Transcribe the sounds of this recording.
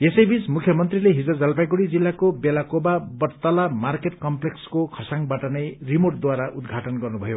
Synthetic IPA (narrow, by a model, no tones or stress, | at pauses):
esʌjbismukʰjʌmʌnt̪rileɦid͡zʌd͡zʌlpajɡuɽid͡zilːakobelakobabʌrt̪alamarkeʈkʌmplekskokʰʌsaŋbaʈʌnʌjrimoʈ̚d̪waɾaʔud̪ɡʱaʈʌnɡʌrnubʱʌjo